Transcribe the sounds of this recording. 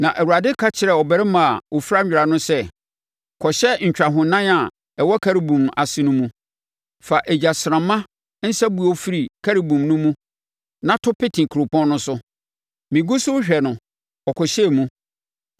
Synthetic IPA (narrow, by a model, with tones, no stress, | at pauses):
nã˨ʔæ˨wu˨a˨dɪ˦kʰa˦t͡ɕʰɪ˨ɾɛ˨ɔ˨bɛ˨ɾɪ˦mã˨a˨wʔo˨fi˦ɾa˦ɲᶣ˦˨ɾa˨nʊ̃˦sɛ˦ | kʰɔ˨ɕɛ˦ɲ̩˨t͡ɕᶣa˨ɦʊ̃˨nã˦na˨ | ɛ˨wɔ˦kʰa˦ɾi˨bũ˨ma̰˨sɪ˨nʊ̃˦mũ˦ | fa˨ʔɛ˨d͡ʑa˨sɪ˨ɾã˨mːã˦ | n̩˦sa˦bu˦˨ɔ˦fi˦ɾi˨kʰa˦ɾi˨bũ˨mnʊ̃˦mũ˦ | nã˦tʰʊ˦pɪ˦tʰĩ˨kʰɾʊ˨pɔ̃˦nnʊ̃˦sʊ˦ | mĩ˨ɡu˦sʊ˦ɕᶣɛ˨nʊ̃˨ | ɔ˨kʰɔ˨ɕɛ˦˨mũ˦